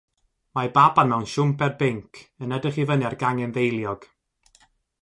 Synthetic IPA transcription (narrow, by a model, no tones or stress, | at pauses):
mababanmawnʃʊmpʰɛrbɪŋkʰənədəχivəniarɡaŋɛnvejlˠjɔɡ̥